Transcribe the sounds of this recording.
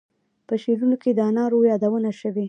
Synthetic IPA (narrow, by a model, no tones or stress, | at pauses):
pəʃeɾunoked̪əanɑɾojɑd̪awənaʃəwe